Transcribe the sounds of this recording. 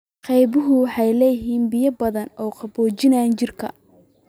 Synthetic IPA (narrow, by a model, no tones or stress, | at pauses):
qɑjbʊɦʊwħɑjlɛːjɦiːnbɪjɐbɐðɐnɔːqɑbɔːt͡ʃɪnaːnt͡ʃɪrkʰɐ̰